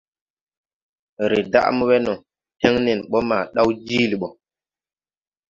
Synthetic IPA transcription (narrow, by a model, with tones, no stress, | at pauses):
ɾe˨da̰˦ʔmu˦wɛ˦nɔ˨ | te˦ŋne˨nɓɔ˦maː˨ɗa˦wd͡ʒi˦li˨ɓɔ˨